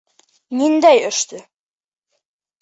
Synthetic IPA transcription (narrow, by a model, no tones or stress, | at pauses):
nind̪æjɵ̆ʃt̪ɘ